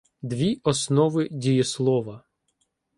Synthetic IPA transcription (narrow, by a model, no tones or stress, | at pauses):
d̪ʋʲiɔsnɔʋɪdʲijislˠɔʋɐ